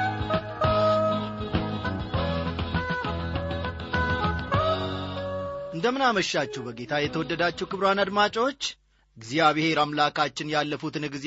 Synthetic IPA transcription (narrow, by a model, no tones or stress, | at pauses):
ʔɨnd̪əmɨnaməʃːat͡ʃːɛwbəɡe̞t̪ʰajɛt̪ʰəwɔd̪ːəd̪at͡ʃːɛwkɨβɾwanad̪mat͡ʃʼo̞t͡ʃː | ɡzijaβɨhe̞ɾamlakʰat͡ʃːɪnjalːəfut̪ɨnɨɡz